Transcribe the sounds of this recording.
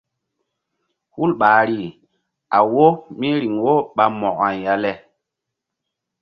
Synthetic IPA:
hu˦lɓaː˨ɾi˦˨ | a˨wo˦mi˦ɾi˨ŋwo˦ɓa˨mɔ˨ka˨nja˦lɛ˦

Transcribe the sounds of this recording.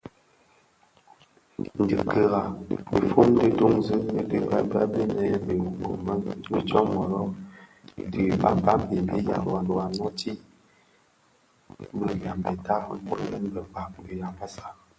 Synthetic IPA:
n̩˨dḭ˨kə˦˨ɣa˨be˨fu˦m˦də˦do˦ŋzɨ˦nə˦də˦ba˦ba̰˦be˦nɛ˦be˨u˨ko˨mə˦nbi˦t͡ʃɔ˦mɔ˨ɾɔ˦˨ | di˨ba̰˨ba˦m˦bi˨bḭ˦ja̰˨a˨do˨a˨nɔ˦ti˦ | bə˨ja˨mbə˨ta˦bu˦ɾə˦nbə˨k͡pa˨bi˨ja˨mba˦sa˦

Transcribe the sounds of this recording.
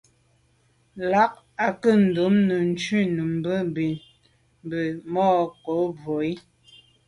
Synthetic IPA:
la˦k̚ | a˨kə˦˨n̩˨do˨˦mnə˨n̩˨˦t͡ʃi˦˨nə˨m˦bə˦bi˨n˨ | bə˨mɔː˦˨ko˨˦bo˨i˦

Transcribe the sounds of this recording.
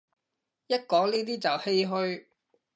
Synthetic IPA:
jɐ˥t̚kɔː˨˥ŋniː˥t̪̬iː˥t͡sɐ˨whe˥jɦɵ˥ɥ

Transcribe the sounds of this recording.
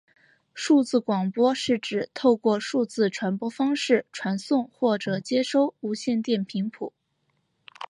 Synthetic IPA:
ʂu˥˧t͡sɹ̩˥˩kwɑ˨˩ŋpwɔ˥ʂɻ̩˥˩ʈ͡ʂɻ̩˨˩t̪ʰo˥˧ʊkwɔ˥˧ʂu˥˧t͡sɹ̩˥˩ʈ͡ʂʰwa˧˥npwɔ˥fɑ˥ŋʂɻ̩˥˩ʈ͡ʂʰwa˧˥nsʊ˥˧ŋxwɔ˥˩ʈ͡ʂɤ˨˩t͡ɕjɛ˥ʂo˥˩ʊu˧˥ɕjɛ˥˧nt̪jɛ˥˩npʰi˧˥ŋpʰu˨˩˦

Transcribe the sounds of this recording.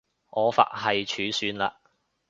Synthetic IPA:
ʔɔː˨˧fa̰ː˨t̚hɐ˨jt͡ʃʰyː˨˥syː˨˥nla̰ː˧

